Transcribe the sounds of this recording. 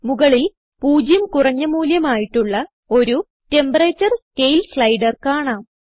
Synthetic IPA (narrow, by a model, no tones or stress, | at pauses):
muɣɐɭil | puːd͡ʑjɐmkurɐɲːɐmuːljɐmaːjiʈːuɭːɐ | o̞ɾu | ʈe̞mbɐreːt͡ɕːɐrkejlsɭɐjɖɐrkaːɳaːm